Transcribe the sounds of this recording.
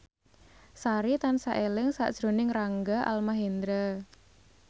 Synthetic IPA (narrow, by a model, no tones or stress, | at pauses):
saɾit̪ansaʔelɪŋsa̰ʔd̥ʒ̥ɾo̤nɪŋraŋɡaʔa̰lmaɦend̪ɾə